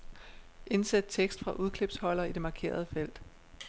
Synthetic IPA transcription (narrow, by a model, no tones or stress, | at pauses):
ʔe̝nsæd̥̚t͡sʰeɡ̥sd̥fʁɑ̈ʔuð̞ˠkʰle̝b̥shɒ̽l̰ɐid̥e̝mɑ̈ːkʰe̝̰ːɐð̞ˠəfel̰d̥